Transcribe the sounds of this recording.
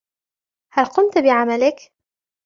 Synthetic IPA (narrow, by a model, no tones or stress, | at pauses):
halqʊmt̪bɪʕamalɪk